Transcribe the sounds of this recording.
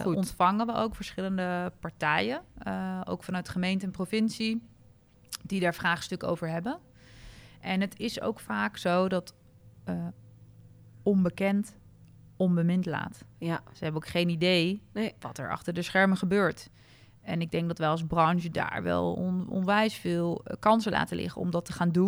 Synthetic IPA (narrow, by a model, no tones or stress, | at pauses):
ɔntfɑŋəʋəʔo̰wkfəɹsχɪləndəpɑɹtɛjə | o̰wkfɑnœɥtχəmejntəɛnprofɪnsi | d̥idaːɹfraːχstɵkəo̰wvəɹɦɛbə | ʔɛnɦətɪso̰wkfaːksowdɑtː | ɔnbəkɛnt | ɔnbəmɪntla̰ːtsəɦɛbənokχejnidejʋɑ̰tɛ̰ɹɑ̰χtəɹdəsχɛɹməχəbøːɹt | ɛnɪɡ̚dɛŋɡ̚dɑtʋɛjɑlˠzbrɑnʒəda̰ːɹʋɛ̰l̰ˠnɔ̰nʋɛjsfɪːlˠkɑnsəlʔa̰ːtəlɪ̰χə̰nɔ̰mdɑtəχaːndun